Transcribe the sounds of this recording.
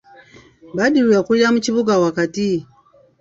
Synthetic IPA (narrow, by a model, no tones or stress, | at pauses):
baɗilujakulam̩t͡ʃiβuɡawakati